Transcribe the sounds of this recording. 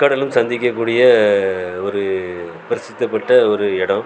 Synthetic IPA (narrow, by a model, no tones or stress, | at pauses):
kɐɽɐlɯmsɐnd̪ɪk̬ʲːɐk̬ːuːɽɪjɐ | ɔɾɯ | pɐɾɪsɪt̪ːɐpːɐʈːɐɔɾɯɛɽɐ̃